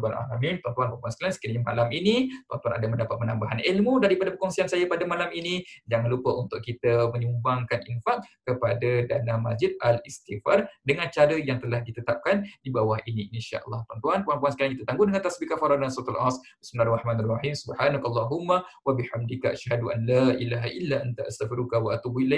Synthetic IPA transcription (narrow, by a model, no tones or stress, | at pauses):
ala̰lamimt̪want̪uanpampuansə̥kalansə̥kiɾəɲama̰laminit̪ua̰nt̪uanadaməndapat̪̚mənambaɦanilmudaɾipadapəkɔŋsiansajapadamalaminid͡ʒaŋanlupəʔunt̪ʊʔkit̪əməɲumbaŋkanʔinfaʔkəpadadanamasd͡ʒid̪̚alist̪ifardəŋant͡ʃaɾəjaŋt̪əlahdit̪ət̪ap̚kandibawahʔiniʔinʃa̰ʔə̰lːɑht̪want̪uankuampuansəkaɾaŋkit̪ət̪aŋɡʊdəŋant̪asbikafaɾadaansuat̪alʔasbismilarɑħmaːnarɑħimsubħaːnakʔalˤːɑɦumːawabiħamdikaʔaʃhaduʔanlaʔilaɦaʔilːaʔant̪aʔast̪afiɾukawaʔat̪ubuilak